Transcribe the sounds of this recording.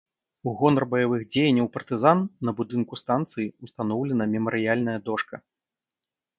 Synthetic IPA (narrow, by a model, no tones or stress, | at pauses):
uɣɔnɐrbɐjavɨxd͡zʲejɐnʲːɐwpɐrt̪ɨzanːɐbud̪ɨnkust̪ant̪sɨjiust̪anɔwlʲɛnɐmʲɛmɐɾɨjalʲnɐjɐd̪ɔʂkɐ